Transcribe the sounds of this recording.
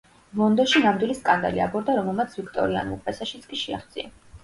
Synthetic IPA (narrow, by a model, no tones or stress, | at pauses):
vɔnd̪ɔʃinamd̪wiliskʼand̪a̰lia̰bɔɾd̪aɾɔmɛlˠmat̪sʰvikʰt̪ʼɔ̰ɾia̰nupʼvɛsaʃit̪sʰkʼiʃia̰χd̪z̥ia